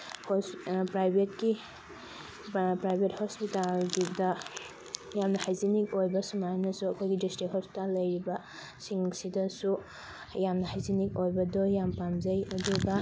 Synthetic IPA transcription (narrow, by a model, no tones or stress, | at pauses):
hpɾajbʱet̚ki | pɾajbʱet̚hɔspitalɡidɐ | jamnɐhajzinik̚ojbɐsumajanɐsuɐkʰojɡidistikhɔspi̥talːɐjɾibɐ | siŋsidɐsu | jamnɐhajzinik̚ojbɐdɔjampamzɐjɐduɡɐ